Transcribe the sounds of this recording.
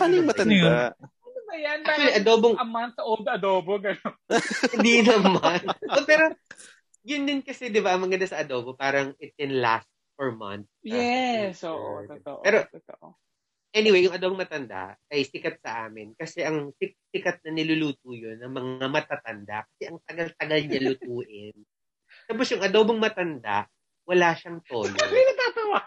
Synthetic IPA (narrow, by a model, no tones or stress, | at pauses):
paːnojŋmɐɐnd̪a | bɐjanak̪wɐliʔɐd̪oːboŋɐmant̪sʔold̪ɐd̪oːboɡɐnonɪ̃nd̪inɐmanopɛɾo̞ | jʊnd̪ɪnkɐsɛd̪ɪbaʔɐŋmɐɡɐnd̪asɐɐd̪o̞ːbopaːɾɐŋɪt̪̚kɛnla̰st̪̚fɔɹma̰nt̪̚sjɛsoʔo̰oo̰ʔɛːɾot̪oʔ | ʔɛnɪwejːʊŋʔɐd̪obɐŋmɐt̪ɐnd̪a̰ɐjsɪkɐt̪̚sɐʔaːmɪnkɐsɛʔɐŋsɪksɪkɐt̪̚nɐnɪlʊluːt̪̚ujonːɐŋmɐŋamɐt̪at̪ɐnd̪a̰kɐ̥sɛʔɐŋt̪ɐɡalt̪ɐɡɐlɲalʊt̪uːʔɪn | t̪aːp̬osjʊŋɐd̪oboŋmɐt̪ɐnd̪a̰ʔ | wɐlaːʃɐŋt̪olinɐt̪aːt̪ɐwa